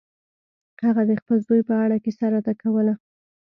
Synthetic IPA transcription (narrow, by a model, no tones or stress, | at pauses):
haɣad̪əxpəlzd̪ujpəaɽakesaɾat̪akawəla